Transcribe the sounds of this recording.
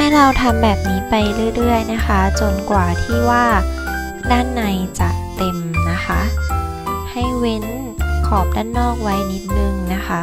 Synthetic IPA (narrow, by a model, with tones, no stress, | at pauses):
ha˥˩jɾa˧wt̪ʰa˧mbɛː˨˩p̚niː˦˥pa˧jɾɯ˥˩əɾɯ˥˩əjna˦˥xʰa˦˥t͡ɕo˧nkwaː˨˩t̪ʰiː˥˩waː˥˩ | daː˥˩nːa˧jt͡ɕa˨˩ʔt̪e˧mna˦˥xʰa˦˥ʔ | ha˥˩jwe˦˥n | kʰɔː˨˩p̚daː˥˩nːɔː˥˩k̚wa˦˥jni˦˥t̪̚nɯ˧ŋna˦˥xʰa˦˥